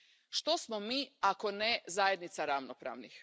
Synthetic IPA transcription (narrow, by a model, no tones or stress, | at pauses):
ʃt̪o̞smo̞miːakonezajed̪nit̪saɾaʋnopɾa̰ːʋnix